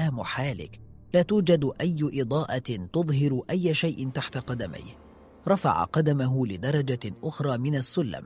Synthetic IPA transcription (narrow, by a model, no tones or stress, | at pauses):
aːmʊħaːlɪ̰k | laːt̪uːd͡ʒad̪ʔajːʊʔɪd̪ˤɑːʔɑt̪ʊðˤɦɪɾʔajːaʃajʔɪnt̪aħt̪aqɑd̪ama̰jh | ɾˤɑfa̰ʕa̰qɑd̪amaɦʊlɪd̪ɑɾˤɑd͡ʒaʔʊxɾˤɑːmɪnasːʊlːa̰m